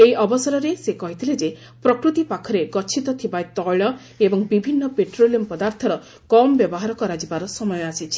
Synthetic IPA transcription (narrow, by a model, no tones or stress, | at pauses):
ejɔbɔsɔɾɔɾesekɔɦit̪ʰiled͡ʒe | pɾɔkɾut̪ipakʰɔɾeɡɔt͡ʃʰit̪ɔt̪ʰibajt̪ɔɭɔ | ebɔŋbibʱinːɔpeʈɾoliɔmpɔd̪aɾt̪ʰɔɾɔ | kɔmɔbjɔbɔɦaɾɔkɔɾad͡ʒibaɾɔsɔmɔjɔasit͡ʃʰi̥